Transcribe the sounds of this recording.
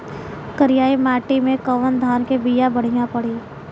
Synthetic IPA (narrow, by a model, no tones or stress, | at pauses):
kəɾɪjaːimaːʈimẽkəʋənd̪ʱaːnkebiːjabɐɽ̤ijãpɐɽ̤iː